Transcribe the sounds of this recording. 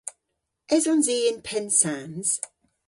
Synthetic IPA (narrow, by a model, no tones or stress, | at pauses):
ɛzɔnziːɪ̃npʰɛnsanz̥